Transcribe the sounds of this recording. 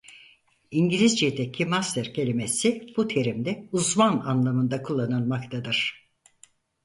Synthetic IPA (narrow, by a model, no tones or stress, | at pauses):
iɲɟilʲizd͡ʒed̪ecʰimast̪ʰɛɾcʰe̞lʲimesib̥ut̪ʰe̞ɾimd̪ɛuzmananlˠamɯnd̪akʰulˠːanɯnˠmakt̪ʰad̪ɯɾ̥